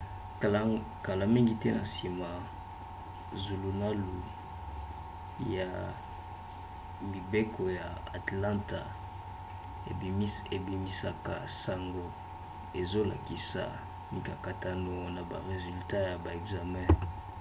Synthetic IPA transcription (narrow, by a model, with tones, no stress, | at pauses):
ka˨la˦mi˦ŋɡi˨tɛ˦na˨si˨ma˨ | zu˨lu˨na˦lu˨ | ja˨ | mi˨be˦kʰo˨ja˨a̰˨tlã˦nta˨ | ḛ˨˦e˨bi˨mi˨sa˦ka̰˨sa˨ŋɡo˨ | e˨zo˦la˨ki˨sa̰˨ | mi˨ka˨ka˨ta˨no˨na˨ba̰˨ʁe˨zy˨lta˦ja˨ba˨e˨kza˨mɛ̃˦